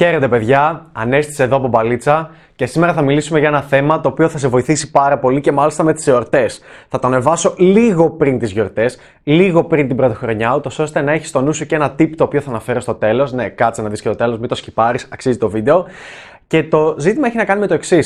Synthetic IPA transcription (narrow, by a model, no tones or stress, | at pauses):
çe̞ɾet̪e̞pe̞ðʝɐɐne̞st̪i̥seðoːpo̞bɐlit͡sɐ | ce̞sime̞ɾɐθɐmilisumeʝɐenɐθe̞mɐt̪o̞ːpio̞θɐse̞vo̞iθisi̥pɐɾɐpo̞lice̞mɐlist̪ɐme̞t̪i̥seoɾt̪e̞sθɐt̪oɐne̞vɐso̞liɣo̞pɾint̪izʝo̞ɾt̪e̞s | liɣo̞pɾint̪ibɾo̞t̪ixɾo̞ɲɐut̪o̞so̞st̪e̞nɐe̞çist̪o̞nusoceenɐt̪ipt̪oːpio̞θɐːnɐfe̞ɾost̪o̞t̪e̞lo̞sne̞kɐt̪t͡senɐðisket̪o̞t̪e̞lo̞zmit̪o̞scipɐɾisɐksizit̪o̞vid̪e̞o̞ | ce̞t̪o̞zit̪imɐeçinɐkɐnime̞t̪o̞e̞ksis